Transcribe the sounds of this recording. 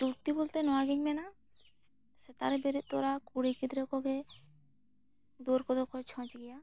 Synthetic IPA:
t͡ʃuɾt̪ibolt̪enɔwaɡiɲmɛna | set̪a̰ɾebeɾit̪oɾakuɾikid̪ɾekɔɡe | d̪uɾkɔd̪ɔkɔt͡ʃʰɔ̃t͡ʃɡija

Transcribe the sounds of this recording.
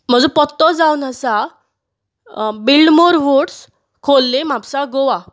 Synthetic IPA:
m̤əd͡zũpɔt̪ːɔd͡zaunəsa | bilɖmoɾʋuʈs | kʰolːem̤apsaɡoʋa

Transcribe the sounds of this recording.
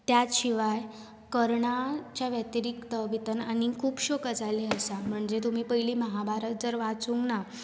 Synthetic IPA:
t̪jat͡sɕiʋaj | kəɾɳat͡ɕjaʋjət̪iɾikt̪əʋit̪ənañikʰuːpɕokəd͡zaleəsam̤əɳd͡zet̪um̤iːpəɦiliːməɦabaɾət̪̚d͡zəɾʋat͡suŋkna

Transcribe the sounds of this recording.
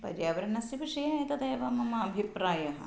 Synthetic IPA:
pɐ̰d͡ʒaːʋɐɾɐnɐsiʋiʂɐjɐɐt̪ɐd̪eːʋɐmɐmɐɐbʱipɾaːjɐɦɐ̰

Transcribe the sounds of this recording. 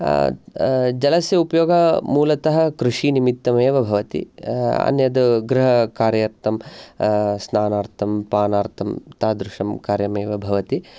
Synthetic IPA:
d͡ʒɐlɐsjɐupɐjoːɡɐmuːlɐt̪ɐɦɐkɾuʂinimit̪ːɐmeːʋɐbʱɐʋɐt̪ḭɐ̰njɐd̪uɡɾɪɦɐkaːɾjɐɾt̪ɐm | snaːnaːɾt̪ʰɐmpaːnaːɾt̪ʰɐmt̪aːd̪ɾuʂɐmkaːɾjɐmeːʋɐbʱɐʋɐt̪i

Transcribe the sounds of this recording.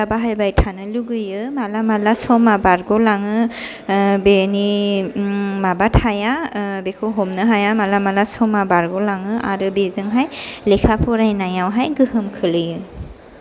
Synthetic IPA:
abaɦajbajtʰanɯluɡɯjɯmalamalasɔmabaɾɡɔlaŋɯ | beni | mabatʰhajabekʰoɦɔmnɯɦajamalamalasɔmabaɾɡɔlaŋɯʔa̰ɾɯbezɯŋɦajlekʰapʰɔɾajnajawɦajɡɯhɯmkʰɯlɯjɯ

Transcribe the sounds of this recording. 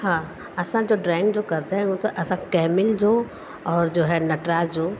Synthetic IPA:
hãː | ɐsãd͡ʑoːɖɾɛ̃ːɪ̃ŋɡd͡ʑoːkɐɾt̪aɦɛ̃ũt̪ɐʔɐsãkɛːmɪld͡ʑoː | ɔːɾd͡ʑoːɦɛnɐʈɾad͡ʑoː

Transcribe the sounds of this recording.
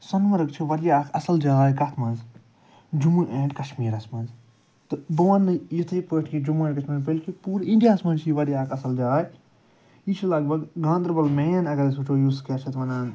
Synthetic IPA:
sɐnmɐɾɨɡt͡ʃʰiʋɐɾjaːkʰɐ̰sɐld͡ʒaːaːjkɐt̪ʰmɐnz | d͡ʒumuʔẽːɳɖkɐʃmiːɾɐsmɐ̃nz | t̪ɨbɐʋɐnɨjit̪ʰɐipoʈʰkid͡ʒumẽːɳɖkɐʃmiːnzbɐlkipuːɾĩɳɖijaːsmɐ̃nt͡ʃʰiʋɐɾijaːkʰɐsɐld͡ʒaːaːj | it͡ʃʰilɐɡ̚bɐɡɡãːnd̪ɾbɐlmejɐnɐɡɐɾis̬ut͡ʃʰoːjuskɐt͡ʃʰɐt̪ʋɐnaːn

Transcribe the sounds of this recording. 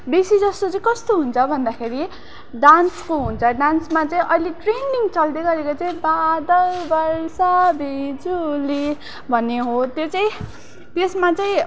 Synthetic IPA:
besid͡zʌst̪ot͡saĩkʌst̪oɦunt͡sʰʌbʱʌnd̪akʰeɾi | ɖanskoɦunt͡sʰʌɖansmat͡saĩʔʌjleʈreniŋt͡sʌld̪eɡʌɾekot͡saĩbad̪ʌlbʌɾsabʱed͡zuli | bʱʌnːeɦot̪jot͡saĩ | t̪esmat͡saĩ

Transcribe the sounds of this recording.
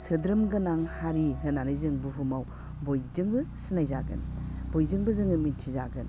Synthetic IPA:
sɯdɾɯmɡɯnaŋhaɾiɦɯnanɯjzɯŋbuɦumaw | bojzɯŋbɯsinajzaɡɯ̰nb̥ojzɯŋbɯzɯŋɯmintʰizaɡɯn

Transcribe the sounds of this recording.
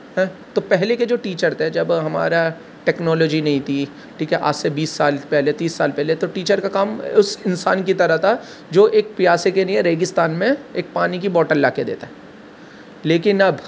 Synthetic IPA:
ɦɛ̃ːt̪opɛɦleked͡ʒoːʈiːt͡ʃəɾt̪ed͡ʒɐbɦɐma̰ːɾa | ʈɛːknɔːlɔːd͡ʒinɐɦĩt̪ʰi | ʈʰiːkɛʔa̰ːsebiːsːaːlpɛɦlet̪iːsːa̰ːlpɛɦlet̪oʈiːt͡ʃəɾkakaːmʊsɪnsa̰ːnkit̪ɐɾat̪ʰa | d͡ʒoːʔeːk̚pɪjaːsekeliẽɾeːɡɪst̪aːnmẽeːk̚paːnik̬ibɔːʈəllaːked̪ḛːt̪aɦɛː | leːkɪnɐb

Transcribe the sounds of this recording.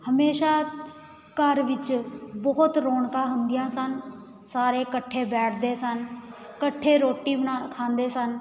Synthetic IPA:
həmeːʃaː | kəɾʋɪt͡ʃbɔːt̪ɾoːɳkãːɦəŋɡɪjãːsən | saːɾeːkəʈʰːeːbɛːʈʰd̪eːsənkəʈʰːeːɾoːʈiːbənakʰãːnd̪eːsən

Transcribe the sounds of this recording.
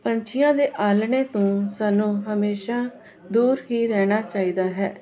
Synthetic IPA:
pəɲt͡ʃʰɪjãːd̪eːʔaːlɳeːt̪õːsaːnũːɦəmeːʃaː | d̪uːɾɦiːɾɛːɽ̃aːt͡ʃaːiːd̪aːɦɛː

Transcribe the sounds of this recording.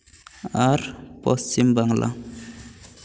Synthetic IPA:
aɾpɔstimbaŋlʔa̰

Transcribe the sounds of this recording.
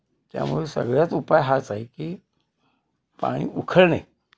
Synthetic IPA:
t̪ja̰muesəɡɭjat͡supajɦat͡saɦekiː | pa̰ɽ̃ḭːʔukʰəɭnaj

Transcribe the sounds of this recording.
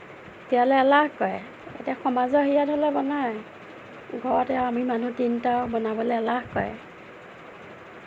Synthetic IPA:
tijalealahkɔjɛ̰ | ḛtaxɔmazɔɦijatɔlɛbɔnaj | ɡʱɔɹɔtɛamimanutintabɔnabɔlɔalaɦkɔ̰jɛ̰

